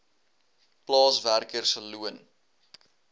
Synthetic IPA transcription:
plɑːsværkərsəluən

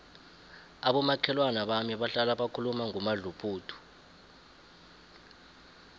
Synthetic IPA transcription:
aɓɔmakʰɛlwanaɓamiɓaɬalaɓakʰulumaŋɔmaɮupʰʼuːtʰu̥

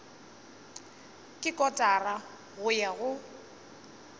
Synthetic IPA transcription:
kʼɪkʼɔtʼara | ɣʊjaɣʊ

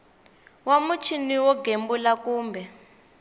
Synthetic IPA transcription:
wamut͡ʃʰiniwɔɡembulakuːmbɛ

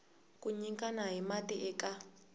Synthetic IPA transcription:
kʼuɲiŋkanaɦimatiʔɛka

